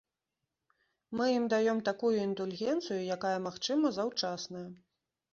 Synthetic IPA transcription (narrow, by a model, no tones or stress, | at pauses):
mɨjimd̪ajɔmt̪akujuind̪ulʲɣʲɛnt̪sɨjujakajɐmaxt͡ʂɨmɐzawt͡ʂasnɐjɐ